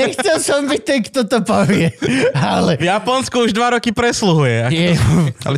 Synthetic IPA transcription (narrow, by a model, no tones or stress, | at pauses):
ɛxtɛlsɔmbit̪ɛkt̪ot̪opovjɛalɛvjapɔnskuuʒd̪vaɾɔkipɾɛsluɦujɛajɛa̰lɛ